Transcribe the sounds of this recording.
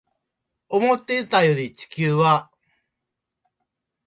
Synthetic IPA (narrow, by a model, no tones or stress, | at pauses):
omo̞t̪ːe̞it̪ajo̞ɾʲit͡ɕi̥kʲɨːβa